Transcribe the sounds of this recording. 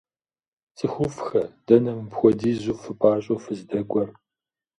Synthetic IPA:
t͡sʼɨxʷʊfxɐd̥ɐnɐmpxʷɔdiːzʷufɨpʼaːɕʼofɨzdɐɡʷʼɔr

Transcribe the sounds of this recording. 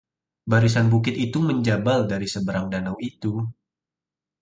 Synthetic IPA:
baɾis̬anbukɪt̪it̪uməɲd͡ʒabaldaɾisəbəɾaŋdanawit̪u

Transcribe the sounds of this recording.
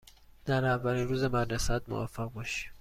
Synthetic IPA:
d̪̥æɾævːælinɾuːzemæɾnesaːt̪̚mo̰va̰fːæɣbɔʃi̥

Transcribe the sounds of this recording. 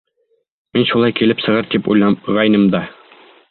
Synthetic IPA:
minʃulˠɑjkilɘpsɤ̆ʁɤɾt̪ipṵjlˠɑʁɑjnɤmd̪ɑ

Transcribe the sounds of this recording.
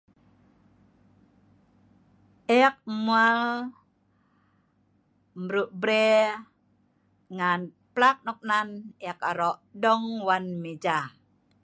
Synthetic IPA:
ʔɛk̚mual | mɾuʔbɾɛ | ŋan | plak̚nɔk̚nanɛkaɾɔʔdɔŋwanmed͡ʒa

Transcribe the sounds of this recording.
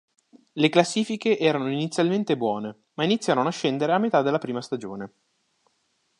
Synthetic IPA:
leklasːiːfikeʔɛːɾanoinit̪sjalment̪ebwɔːne | mainit̪sːjaːɾonoaʃːend̪eɾeamːet̪ad̪elːapɾiːmast̪ad͡ʒoːne

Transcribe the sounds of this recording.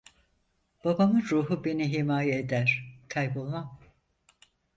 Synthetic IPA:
b̥abamɯnɾuːɦube̞niɦimaːjeed̪æɾ̥kʰajbolˠmam

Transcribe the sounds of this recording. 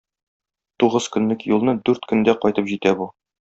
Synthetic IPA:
t̪uʁɤzkɵ̆nlɵkjulˠnɤd̪ʉɾt̪kɵ̆nd̪æqɒjt̪ɤpʑit̪æbu

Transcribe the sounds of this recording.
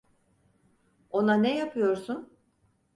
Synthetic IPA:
o̞nanɛjapʰɯjo̞ɾsun

